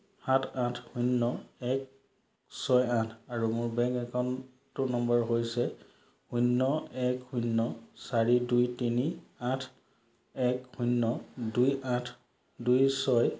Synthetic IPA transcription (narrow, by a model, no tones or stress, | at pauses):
hãtʰãtʰhunːɔɛk̚ | sɔjãtʰaɹumʊɹbɛ̃ŋkɛkʰan | tʊnɔmbaɹɦojsɛ | hunːɔɛkhujnːɔsaɹidujtiniãtʰ | ɛkhunːɔdujãtʰ | dujsɔj